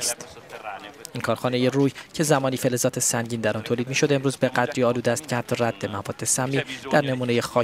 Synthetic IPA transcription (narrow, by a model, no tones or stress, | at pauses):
st̪ | ʔinkʰɒːɾxɒːne̞je̞ruːjcʰe̞zæmɒːniːfe̞lezɒːt̪ʰe̞sæɲɟiːnd̪æɾɒnt̪ʰoːliːd̪̚miːʃo̞d̪emɾuːzbe̞ɡæd̪ɾiːɒːluːd̪eæːst̪̚cʰehæt̪ʰːɒːræd̪̥ːe̞mævɒːd̪ːe̞sæmːiːd̪̥æɾne̞muːne̞jexɒː